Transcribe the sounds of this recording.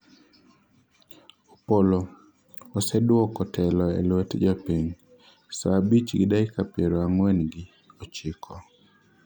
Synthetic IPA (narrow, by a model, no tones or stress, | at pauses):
opolo | ɔsɛdwɔkɔtʰɛlɔɛ̰lwɛtd͡ʒapiɲ | sabit͡ʃɡɪdaikapjɛɾoaŋwɛnɡɪ | ɔt͡ʃɪkʰɔ